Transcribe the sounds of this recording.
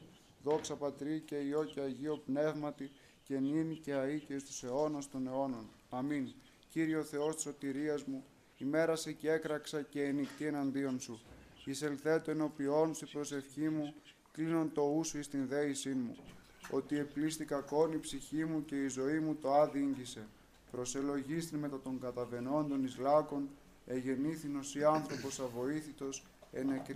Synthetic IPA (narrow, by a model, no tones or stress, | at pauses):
ðo̞ksɐpɐt̪ɾice̞io̞ceɐʝio̞pne̞vmɐt̪i | ce̞niniceɐiceist̪use̞o̞nɐst̪o̞ne̞o̞no̞n | ɐmin | ciɾioθe̞o̞st̪i̥so̞t̪iɾiɐzmu | ime̞ɾɐsecee̞kɾɐksɐce̞ːnikt̪ie̞nɐnd̪io̞nsuise̞lθe̞t̪oeno̞pio̞nsipɾo̞se̞fçimu | klinont̪o̞usoist̪inðe̞isinmṵ | o̞t̪ie̞plist̪ikɐko̞nipsiçimuce̞izo̞imut̪o̞ɐðiɲɟise̞ | pɾo̞se̞lo̞ʝist̪inme̞t̪ɐt̪o̞ŋɡɐt̪ɐve̞no̞nd̪o̞nizlɐko̞n | e̞ʝe̞niθino̞siɐnθɾo̞po̞sɐvo̞iθit̪o̞s | e̞nekɾ